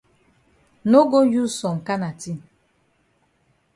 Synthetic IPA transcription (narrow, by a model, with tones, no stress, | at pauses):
no˦ɡo˦ju˦sɔ˨ŋ̩˨ka˦na˨ti˦˨